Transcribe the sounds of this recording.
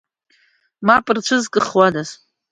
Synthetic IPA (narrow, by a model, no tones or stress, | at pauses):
mapʼɨrt͡ʃʷʰɨzkʼɨχwadaz